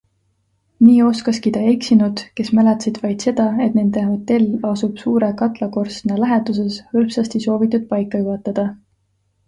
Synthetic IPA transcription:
niːo̞skɑskit̪ɑe̞ksinud̪̥ke̞smælet̪sid̪̥vɑjd̪̥se̞d̪̥ɑe̞t̪ne̞nd̪̥e̞ɦo̞t̪ːe̞lɑsub̥suːɾekɑt̪ˑlɑko̞rst̪nɑlæɦed̪us̬e̞shɤlpsɑst̪iso̞ːvit̪ːˑud̪̥̚pɑjkːˑɑjuɦɑt̪ːˑɑd̪̥ɑ

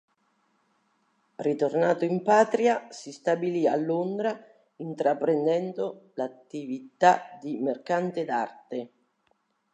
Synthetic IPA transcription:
rit̪ornaːt̪oimpaːt̪ɾjasist̪abilia̰lːond̪ɾa | int̪ɾapɾend̪ɛnd̪olat̪ːivit̪ad̪imerkant̪ed̪art̪e

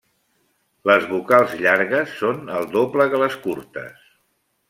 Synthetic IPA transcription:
ləzβukalˠzʎaɾɣəsːonəlˠd̪opləðələskuɾt̪ə̰s

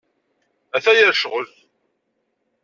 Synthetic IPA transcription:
æθæjæɾʃʁəlθ

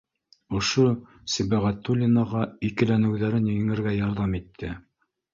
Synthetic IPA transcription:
ŏʃo | sɘ̆bæʁæt̪ːulʲɪnɑʁɑikɘ̆lænɘ̆wðæɾɘnjɘ̆ŋɘ̆ɾɡæjɑɾðɑmit̪ʰːɘ

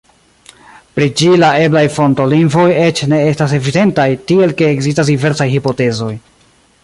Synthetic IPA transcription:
pɾid͡ʒilae̞blajfo̞nto̞liŋvo̞je̞t͡ʃne̞estas̬e̞vide̞ntajtie̞lke̞ːɡzistas̬dive̞ɾsajhipo̞te̞zo̞j

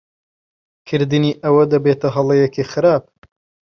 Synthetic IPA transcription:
kʰɨɾd̪ɨniːʔɐwɐd̪ɐbeːt̪ɐɦɐlˠejekixɨɾaːp̚

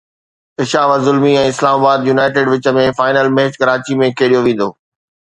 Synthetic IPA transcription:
ɪʃaːʋəzʊlmiɛ̃ːɪslaːmaːbaːd̪junaːɪʈ̬ɪːɖʋɪt͡ɕə̆mẽfaːɪnəlmeɦt͡ɕkɐɾaːt͡ɕimẽkeːɽijoʋẽːn̆d̪oː

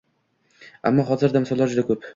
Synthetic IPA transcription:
a̰mːɒɦɒzɪɾd̪amsɒlːˠaɾd͡ʒʊd̪akʰɵp

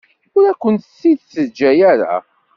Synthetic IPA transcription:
ʊɾækʷːənt̪sːiðsəd͡ʒːæjæɾa̰

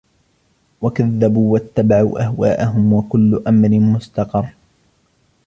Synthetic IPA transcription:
wakaðːabuːwat̪ːabaʕuːʔahwaːʔaɦʊmwakʊlːʊʔamɾɪnmʊst̪ɑqɑrˤː

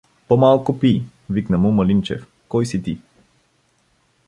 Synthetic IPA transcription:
pɔmalˠkupi | viknɐmumɐlint͡ʃɛ̰f | kɔjsit̪i

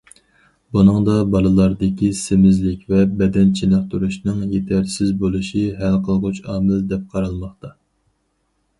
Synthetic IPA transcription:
bunɨŋd̪ɑbɑlˠɨlˠɑɾd̪ɪkʲʰisemɪzlɪkʲvɛbɛd̪ɛnt͡ʃʰinɨqt̪ʰuɾuʃnɨŋjet̪ʰæɾsɪzbolˠuʃiɦælqʰəlˠʁʊt͡ʃɑːmɪld̪ɛp̚qʰɑɾɑlˠmɑχt̪ɑ

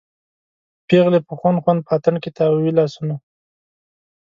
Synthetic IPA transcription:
peɣlepəxwanxwand̪̚pat̪aɳkɪt̪ʰɑwilɑsuna

